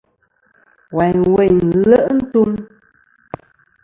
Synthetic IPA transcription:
wa˨ɲwe˨ɲlə˦ʔn̩˦tu˦m

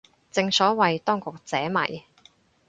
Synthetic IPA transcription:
t͡sɪ˧ŋsɔː˨˥wɐ˨jt̪ɔː˥ŋkʊ˨k̚t͡sɛː˨˥mɐ̰˨˩j

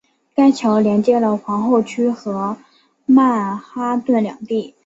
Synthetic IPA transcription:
ka˥ɪt͡ɕʰjɑ˧˥ʊljɛ˧˥nt͡ɕjɛ˥lə˨xwɑ˧˥ŋxo˥˩ʊt͡ɕʰy˥xɤ˧˥ | ma˥˩xa˥t̪wə˥˩nljɑ̰˨˩ŋt̪i˥˩

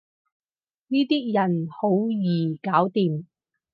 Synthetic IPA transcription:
niː˥t̪iː˥jɐ˨˩nho˨˧˥wjiː˨˩kaː˨˥wt̪iː˨m

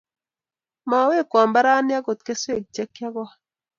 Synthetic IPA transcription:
ma˨˦we˦˨kwa˨mba˦ɾa˦nja˦ɡo˨t̪ke˦se˦˨k̚d͡ʒe˦kja˦ɡwa˦

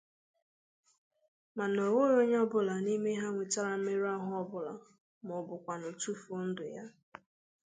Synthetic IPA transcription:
ma˨no˨ŋo˦ɾo˦ɲ˦ɔ˦bʊ˨la˨ni˦me˦ɦa˦ŋʷe˨t͡ʃa˦ɾa˦m̩˦me˦ɾa˦ɦʊ˦ɔ˦bʊ˨la̰˨ | mʊ˨bʊ˨kʷa˨nʊ˨tu˦fo˨˦n̩˦dʊ˨ja˦

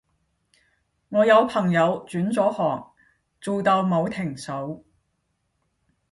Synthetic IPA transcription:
ŋɔː˨˧jɐ˨˧wpʰɐ˨˩ŋjɐ˨˧wt͡ʃyː˨˥nt͡sɔː˨˥hɔː˨˩ŋ̚ | t͡suː˨wt̪ɐ˧wmo˨˧wt̪ʰɪ˨˩ŋso˨˥w

